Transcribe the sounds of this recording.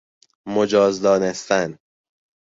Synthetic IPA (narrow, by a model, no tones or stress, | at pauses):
mod͡ʒɒːzd̪ɒːnest̪æn